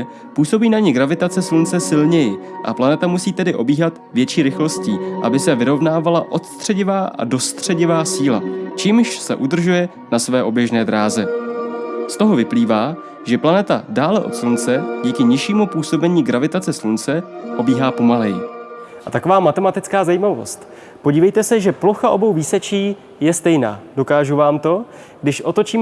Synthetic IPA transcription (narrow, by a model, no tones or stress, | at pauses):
puːso̞biːnaɲɪɡɾavɪt̪at͡sɛslunt͡sɛsɪlɲɛjɪʔa̰planɛt̪amusiːt̪ɛdɪʔo̞biːɦat̪vjɛt͡ʃiːɾɪxlo̞sciːʔabɪsɛvɪɾo̞vnaːvalaʔo̞t̪st̪r̝̥ɛɟɪvaːʔa̰do̞st̪r̝̥ɛɟɪvaːsiːla̰t͡ʃiːmʃsɛ̰ʔud̪r̩ʒujɛ | nasvɛːʔo̞bjɛʒnɛːd̪ɾaːzɛ | st̪o̞ɦo̞vɪpliːvaː | ʒɛplanɛt̪adaːlɛʔo̞̰t̪slunt͡sɛɟiːkɪɲɪʃiːmupuːso̞bɛɲiːɡɾavɪt̪at͡sɛslunt͡sɛʔo̞biːɦaːpo̞malɛjɪʔat̪ako̞vaːmat̪ɛmat̪ɪt͡skaːzajiːmavo̞̰st̪ | po̞ɟiːvɛjt̪ɛsɛʒɛploxaʔo̞bo̞wviːsɛt͡ʃiː | jɛst̪ɛjna̰ːdo̞kaːʒuvaːmt̪o̞ | ɡdɪʃʔo̞t̪o̞t͡ʃiːm